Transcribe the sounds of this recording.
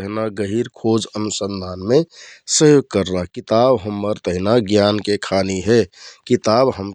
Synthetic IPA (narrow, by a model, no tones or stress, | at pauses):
əɦnaɡəɦiɾkʰoːd͡ʒənusə̃nd̪ʱaːnmẽsəjoːɡ̚kəɾnakɪt̪aːbɦəmːəɾt̪əɦɪnaɡjaːnkekʰaːniɦɛkɪt̪aːbɦəm